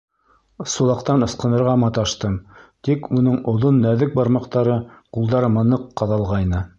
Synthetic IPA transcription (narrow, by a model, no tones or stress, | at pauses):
sulˠɑqt̪ɑnɤ̆sqɤ̆nɤ̆ɾʁɑmɑt̪ɑʃt̪ɤmt̪ikunɤɴŏðonːæðɘk̚bɑɾmɑqt̪ɑɾɤqulˠd̪ɑɾɤmɤ̆nɤqːɑðɑlˠʁɑjnɤ